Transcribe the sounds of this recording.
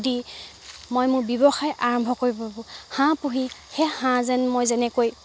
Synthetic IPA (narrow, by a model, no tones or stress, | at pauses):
di | mojmʊɹbjibɔxajʔaɹɔmbʱɔkoɹibɔbʊ̃hãpuɦixehãzɛnmojzɛnɛkoj